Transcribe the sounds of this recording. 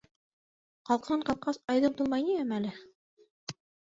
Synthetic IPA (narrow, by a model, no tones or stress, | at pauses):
qɑlˠqɤɴqɑl̚qɑsɑjðɤlt̪ulˠmɑjniæmælɘ